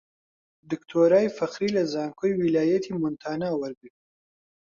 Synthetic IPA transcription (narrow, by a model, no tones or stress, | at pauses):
d̪ɨkt̪ʰoːɾaːjfɐxɾiːlɐzaːŋkʰojwilaːjɐt̪ʰimʊnt̪ʰaːnawɐɾbi